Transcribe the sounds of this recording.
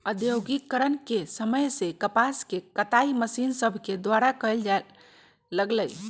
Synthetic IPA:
əd̪joɡikːəɾənkesəməjsekəpaskekət̪aiməsinsəbʱked̪waɾakəjld͡ʒa | ləɡləj

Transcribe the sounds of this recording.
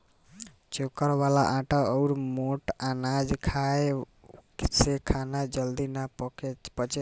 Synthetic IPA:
t͡ʃokəɾʋala̰ʔãʈəəuɾmoʈanad͡ʒkʰae | sekʰanad͡ʒəld̪inapkepət͡ʃe

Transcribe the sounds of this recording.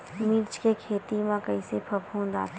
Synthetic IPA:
miːɾt͡ʃkekʰeːt̪imãkɐisepʰɐbɦõːnd̪a̰ːt̪

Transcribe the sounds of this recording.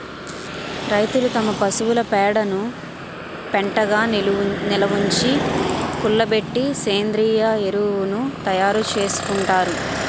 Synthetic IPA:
ɾɐjt̪ulut̪ɐmɐpɐsuwulɐpɛːɽɐnu | peɳʈɐɡaːnilɐʋuɲt͡ʃikuɭːɐbe̞ʈːiseːnd̪ɾiːjaeɾuunut̪ɐjaːɾut͡ʃe̞ːsu̥kuɳʈaːɾu

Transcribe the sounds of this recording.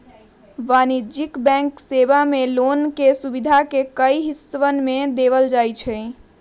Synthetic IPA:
ʋanid͡ʒikbɛ̃ŋksebamelonkesubid̪ʱakekəjɦisʋənmed̪eβəld͡ʒajt͡ʃʰɛj

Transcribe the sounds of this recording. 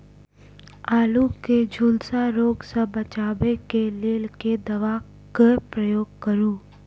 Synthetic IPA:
aːluked͡ʒʱʊlsaɾoːɡsəbət͡ʃaːbekeleːlked̪ɐʋaː | kepɾəjoːɡkəɾũː

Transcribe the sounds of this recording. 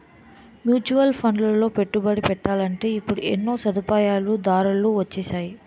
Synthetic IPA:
mjuːt͡ʃuʋɐlpʰɐɳɖlɐlo̞ːpe̞ʈːubɐɽipɛʈːaːlɐɳʈe̞ːipːuɽuʔḛnːo̞ːsɐd̪upaːjaːlud̪aːɾɐlːuʋɐt͡ʃːɛːsaːji

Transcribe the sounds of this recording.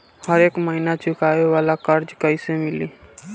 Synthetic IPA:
həɾeːkməɦinat͡ʃʊkaːeʋaːlakəɾd͡ʒkəisemɪliː

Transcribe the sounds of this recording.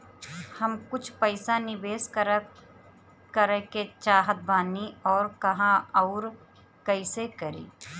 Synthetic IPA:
hɐmkʊt͡ʃʰpəɪsanɪbeːsk | kəɾəket͡ʃaːɦət̪̚baːniɔːɾkɐɦãɔːɾ | kɐɪsekəɾḭː

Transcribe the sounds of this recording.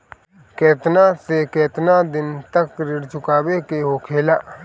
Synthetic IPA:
kɛːt̪nasekɛːt̪nad̪ɪnt̪əkɾɪɽt͡ʃʊkaːwekeɦokʰeːlaː

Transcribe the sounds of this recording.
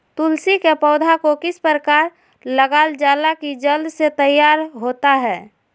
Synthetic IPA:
t̪ʊlsikepɔʊd̪ʱakokɪspɾəkaːɾ | ləɡaːld͡ʒaːlakid͡ʒəld̪set̪əjːaːɾɦoːt̪aɦɛː

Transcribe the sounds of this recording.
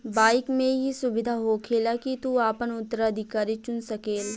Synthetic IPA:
baːɪkmẽɦisʊbɪd̪ʱaɦokʰeːlakit̪uaːpənʊt̪ːəɾaəd̪ʱɪkaːɾit͡ʃʊnsɐkeːl

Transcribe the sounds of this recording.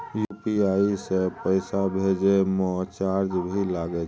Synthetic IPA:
jupiaisepəɪsabʱed͡ʒemɔt͡ʃaɾd͡ʒbʱilaɡe

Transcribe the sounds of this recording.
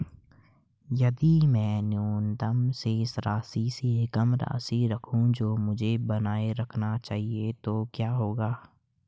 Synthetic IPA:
jɐd̪imɛ̃ːnjuːnt̪əmseɪsɾaːsiseɪkəmɾa̰ːsiɾəkʰũd͡ʒoːmʊd͡ʒʱebənaːeɾəkʰnat͡ʃaːɦiet̪oːkjaːɦoːɡaː

